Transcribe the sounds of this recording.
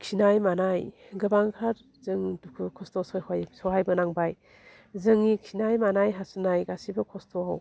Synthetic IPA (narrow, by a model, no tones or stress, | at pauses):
kʰinajmanaj | ɡɯbaŋkʰaɾ | zɯŋdukʰukʰɔstosɔjhajsɔɦajbɯnaŋbaj | zɯŋːikʰinajmanajɦasɯnajɡasibɐkʰɔstʰɔaw